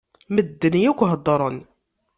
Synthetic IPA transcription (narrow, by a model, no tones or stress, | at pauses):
məd̪ːənijækʷːɦəd̪ˤːɑɾˤən